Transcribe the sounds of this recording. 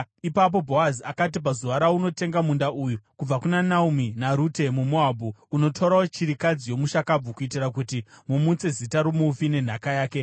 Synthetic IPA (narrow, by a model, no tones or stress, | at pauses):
ipap̬o̞bʱo̞aziakat̬ip̬azuʋaɾauno̞te̞ŋɡamundaʔujukub͡vakunanauminaɾute̞mumoabʱuuno̞tʰoɾaot͡ʃiɾikad͡zijo̞muʃakab͡vukuitirak̬utimumut͡se̞zitaɾumufine̞n̤akajaːke̞